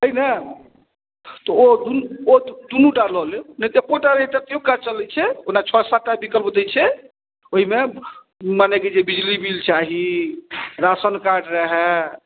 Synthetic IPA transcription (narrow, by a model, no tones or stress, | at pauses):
əɦinə | t̪ɔod̪uod̪unuɖalɔlenət̪epoʈaɾəɦit̪ət̪ijõkat͡ʃəlɛt͡ʃʰɛonat͡ʃʰoɽasaʈːabikəlpd̪ɛt͡ʃʰɛ | oɦime | maneked͡ʒebid͡ʒlibilt͡ʃaɦi | ɾasənkaɾɖɾəɦɛ